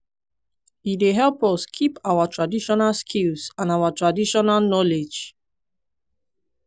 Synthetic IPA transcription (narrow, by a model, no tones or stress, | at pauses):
ideɦɛlpɔskʰipawatʰɹadiʃɔnalskʰilsãnawatɹadiʃɔnalnɔled͡ʒ